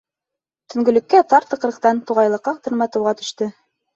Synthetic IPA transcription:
t̪ɵ̆ŋɡɵ̆lɵ̆kːæt̪ɑɾt̪ɤ̆q̆ɾɤ̆qt̪ɑnt̪uʁɑjlˠɤ̆qːɑqt̪ɤ̆ɾmɑt̪ɤ̆wʁɑt̪ɵ̥̆ʃt̪ɘ

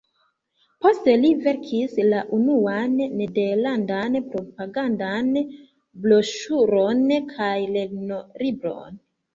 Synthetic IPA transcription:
po̞ste̞live̞ɾkʰislaʔunuanːede̞ɾlandanpɾo̞paɡandan | blo̞ʃuɾonkʰajle̞ɡno̞ɾibɾo̞̰n

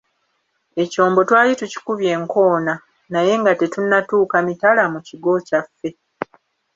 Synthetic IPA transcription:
e̞co̞ːmbo̞twaːlituci̥kuβje̞ːŋko̞ːna | naje̞ŋɡate̞tunːatuːkamitalamuciɡo̞cafːe̞

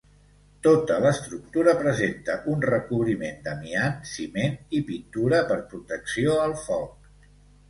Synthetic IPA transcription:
t̪ot̪ələst̪ɾuk̚t̪uɾəpɾəzent̪əʔunrəkuβɾimend̪əmiansimenipint̪uɾəpəɾpɾut̪əksioəlˠfɔk

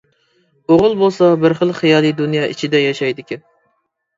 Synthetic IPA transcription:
oʁʊlˠbolˠsɑbɪɾχəlˠχijɑːlˠid̪unjɑʔḭt͡ʃʰid̪ɛjɑʃɑjd̪ɪkʲʰi

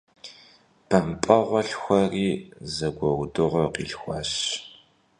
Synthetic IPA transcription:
pʰɐmpʼɐʁʷɔɬxʷɐriːzɐɡʷɔwdɨʁʷɔqḭːɬxʷɐ̰ɕ

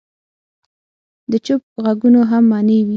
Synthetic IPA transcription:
d̪ət͡ʃʊp̚ɣaɡunoɦamːɑnəwi

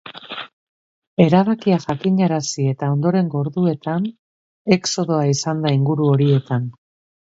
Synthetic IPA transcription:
e̞ɾaβakiaʝakiɲaɾasie̞t̪ao̞nd̪o̞ɾe̞ŋɡo̞ɾðue̞t̪an | e̞kso̞ðo̞aisand̪aiŋɡuɾuo̞ɾie̞t̪an

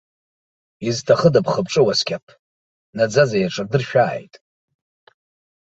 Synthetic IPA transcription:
iztʰaχədapʰχəb̚ʼʈ͡ʂʼɨwaskʲʰʼapʰ | nad͡zazajaʈ͡ʂʰʼardɨrʃᶣa̰ːjtʼ

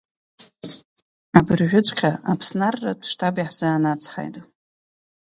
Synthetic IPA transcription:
abɨrʒᶣʊt͡sʷʰʼqʲʰaapʰsnarːatʰʂtʰabiħz̥aːnat͡sʰχa̰jtʼ

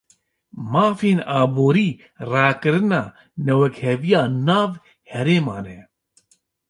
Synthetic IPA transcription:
maːfiːnaːboːɾiː | ɾaːkɨɾɨnaː | nɛwɛkhɛvijaːnaːv | hɛɾeːmaːne

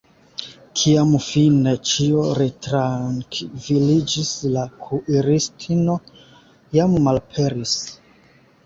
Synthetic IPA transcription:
kʰiamfine̞t͡ʃio̞ɾetɾaŋkvilid͡ʒislakʰuʔiɾistʰino̞ | jamːalpʰe̞ɾis

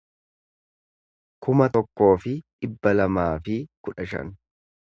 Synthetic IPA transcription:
kʊmɐt̪ɔkːo̞ːfɪᶑɪbːɐlɐmaːfɪkʊᶑɐʃɐ̰n

